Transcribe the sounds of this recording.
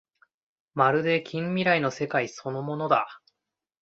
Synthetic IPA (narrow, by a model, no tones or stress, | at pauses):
maɾɯ̟d̪e̞kʲĩmːʲiɾaino̞se̞kaiso̞no̞mo̞no̞d̪a